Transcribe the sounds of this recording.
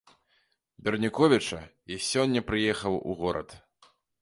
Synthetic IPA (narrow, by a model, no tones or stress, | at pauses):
bʲɛrnʲikɔvʲit͡ʂɐ | isʲɔnʲːɐpɾɨjɛxɐwṵɣɔɾɐ̰t̪